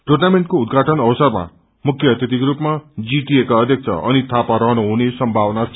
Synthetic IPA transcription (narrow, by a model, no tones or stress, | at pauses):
ʈornameɳʈkoud̪ɡʱaʈʌnʌwʌsʌrma̰ | mukʰjʌt̪jʌt̪ikrupmad͡ziʈiekaʌd̪ʱjʌk̚t͡sʰʌ̰ʔʌ̰nit̪ʰapaɾʌɦʌnoɦunesʌmbʱawʌna